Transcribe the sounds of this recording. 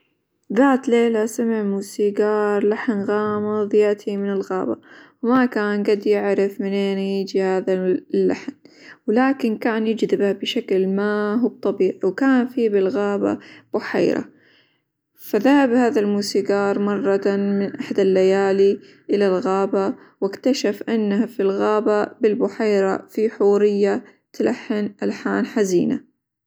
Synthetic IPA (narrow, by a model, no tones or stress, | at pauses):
ðaːt̪leːlasamɪʕmuːsiɡɑːɾˤlaħnɣɑːmɨðˤjaʔt̪ʰimɪnɪlɣa̰ːba̰wmakaːnɡad̪jɪʕɾɪfmɪnʔeːnjid͡ʒihaːðalːaħnwlaːkɪnkaːnjɪd͡ʒd̪ɪbabɪʃaklmaːɦwb̚t̪ˤɑbiːʕiwkaːnfiːbɪlɣaːba̰b̥ʊħa̰ːɾa̰ | faðahabhaːðalmuːsiɡɑːɾˤmɑrˤːɑmɪnʔaħd̪alːajaːli | ʔɪlalɣaːba | wɪkt̪aʃafʔanːahafilɣaːbabɪlbʊħajɾa̰fiħuːɾɪjːa | t̪lʔaħːɪnʔalħaːnħaziːna̰